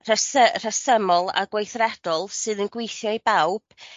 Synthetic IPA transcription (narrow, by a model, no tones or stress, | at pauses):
rəsər̥əsəmɔlˠa̰ɡwejθrɛd̥ɔlˠsɨðənɡwejθjɔibawb̥